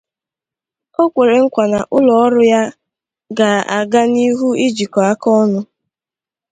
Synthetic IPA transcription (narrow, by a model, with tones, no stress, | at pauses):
o˦kʷe˨ɾe˨ŋ̩˦kʷa˨na̰˨ʔʊ˦lɔ˨ɔ˦ɾʊ˦ja˦ | ɡa˨a̰˨ɡa˦ni˦ɦu˦i˦d͡ʒi˨kɔ˨a˦kɔ˦nʊ˦